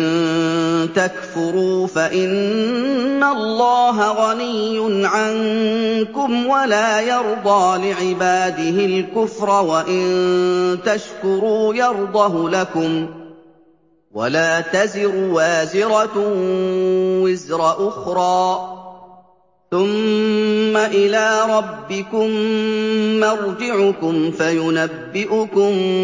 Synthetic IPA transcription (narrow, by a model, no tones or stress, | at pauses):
n | t̪akfʊɾuːfaʔɪnː | alːɑːɦaɣanijːʊnʕaŋkʊmwalaːjɑɾˤd̪ˤɑːlɪʕɪbaːd̪ɪhɪlkʊfɾˤɑwaʔɪnt̪aʃkʊɾuːjɑɾˤd̪ˤɑhlakʊm | wa̰laːt̪azɪɾʊwaːzɪɾɑ | wɪzɾˤɑʔʊxɾˤɑː | θʊmː | aʔɪlaːɾˤɑbːɪkʊmː | ɑɾˤd͡ʒɪʕʊkʊmfajʊnabːɪʔʊkʊm